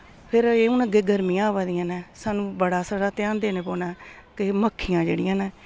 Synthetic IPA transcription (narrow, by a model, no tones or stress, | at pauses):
pʰɪɾeːũːnəɡeːɡəɾmiːãːʋaːd̪ijãːnɛːsaːnũːbəɽaːsaːɽaːt̪jãːnd̪eːneːpoːnaː | kɪməkʰːijãːd͡ʒḛːɽɪjãːnɛː